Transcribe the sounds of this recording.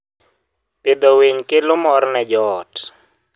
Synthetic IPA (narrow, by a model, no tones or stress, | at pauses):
pɪd̪ɔweɲkɪlʊmɔɾnɛd͡ʒɔːt